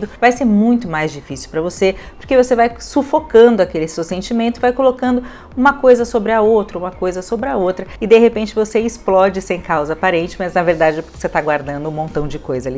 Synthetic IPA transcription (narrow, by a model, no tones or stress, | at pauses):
d̪ʊvajseɾmũj̃t̪ʊmajzd͡ʒifisiɪwpɾɐvosepoɾkevosevajsufokɐ̃nd̪ʊɐkelɪsewsẽnt͡ʃimẽnt̪ʊɪvajkolokɐ̃nd̪ʊ | ũmɐkojzɐsobɾɪɐowt̪ɾɐũmɐkojzɐsobɾɪɐowt̪ɾɐɪd̪eɦepẽt͡ʃɪvoseɪsplɔd͡ʒɪsẽj̃kawzɐapaɾẽnt͡ʃɪ̥mɐznɐveɾd̪ad͡ʒɪɛpkset̪aɡwaɾd̪ɐ̃nd̪ʊũmõnt̪ɐ̃w̃d͡ʒɪkojzɐali